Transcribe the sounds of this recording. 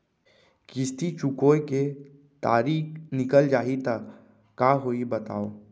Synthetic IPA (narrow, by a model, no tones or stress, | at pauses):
kɪst̪it͡ʃʊkoːeke | t̪aːɾiːknɪkəld͡ʒaːit̪a | kaːɦoːibɐt̪a̰ːoː